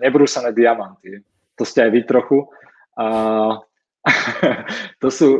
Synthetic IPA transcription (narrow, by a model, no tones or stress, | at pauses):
ɲɛbɾuːsanɛːd̪iamant̪iɛ | t̪ɔscɛajʋit̪ɾɔxu | ə | t̪ɔsuː